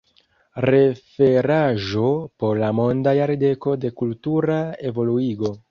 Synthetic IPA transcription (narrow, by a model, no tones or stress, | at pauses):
ɾe̞fe̞ɾaʒo̞po̞ɾlamo̞ndajaɾde̞ko̞de̞kultuɾae̞vo̞luiɡo̞